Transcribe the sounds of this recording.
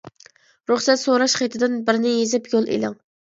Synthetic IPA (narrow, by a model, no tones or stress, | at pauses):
ɾuχsɛt̪soɾɑʃχɑjt̪ʰɪd̪ɪnbɪɾnɪjezɪpjolˠʔḛlɪŋ